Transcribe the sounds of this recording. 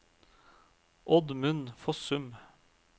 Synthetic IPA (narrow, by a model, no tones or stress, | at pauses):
ʔɔd̪mʉnfɔsʉm